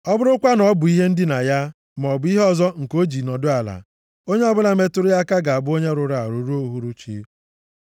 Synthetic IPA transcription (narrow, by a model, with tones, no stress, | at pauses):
ɔ˦bʊ˦ɾʊ˦kʷa˦nɔ˨˦bʊ˨i˦ɦe˦n̩˦dɪ˦na˨ja˦ | m˨ɔ˨bʊ˨˦i˦ɦɔ˨zɔ˦ŋ̩˨ko˦d͡ʒi˨nɔ˨dʊ˦a˨la̰˨ | o˦ɲe˦ɔ˦bʊ˦la˨˦me˦tʊ˦ɾʊ˦ja˦ka˦ɡa˨a˨bʊ˦o˦ɲe˦ɾʊ˨ɾa˨a˨ɾu˨ɾu˦o˦ɦu˦ɾu˦t͡ʃḭ˦